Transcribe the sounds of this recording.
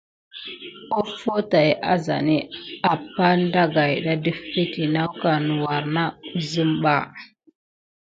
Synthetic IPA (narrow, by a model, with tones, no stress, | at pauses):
o˦fo˦ta˨jʔa̰˦za̰˨ni˦a˨pːa˦nda˦ɡa˨jɗa˦də˦fi˦ti˨na˦wka˨nu˨wa˨ɾna˦u˦zə˦mɓa˦